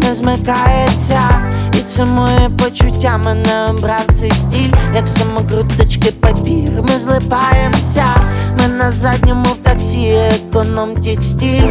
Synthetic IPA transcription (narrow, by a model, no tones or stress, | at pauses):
mɪzmɪkɑjet͡sʲːɐit̪sɛmɔjɛpɔt͡ʃʊtʲːamɪnɛbɾɑwt̪sɛjsʲtʲilʲjɐksɐmɔɡɾʊt̪ɪt͡ʃkɪpɐpʲixmɪzlˠɪpɑjemsʲɐmɪnɐzad̪ʲnʲɔmʊwt̪ɐksʲiekɔnɔmtʲixsʲtʲilʲ